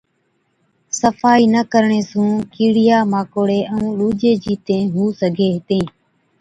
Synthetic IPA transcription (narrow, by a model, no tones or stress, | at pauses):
səfaːiːnəkəɾɳeːsũːkiːɽɪjaːmaːkoːɽeːʔəũːluːd͡ʒeːd͡ʒiːt̪ẽːɦuːsəɡʱeːt̪ẽː